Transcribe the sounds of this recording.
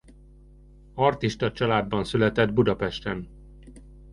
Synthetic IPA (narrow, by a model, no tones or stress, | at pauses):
ɒrt̪iʃt̪ɒt͡ʃɒlaːd̪bɒnsylɛt̪ɛd̪bud̪ɒpɛʃt̪ɛn